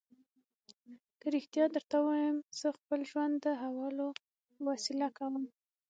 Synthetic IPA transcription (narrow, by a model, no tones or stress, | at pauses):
kəɾɪxt̪ijɑd̪əɾt̪awɑjəmz̥əxpəlʒwand̪ːəɦawɑlo | wasɪlakawəm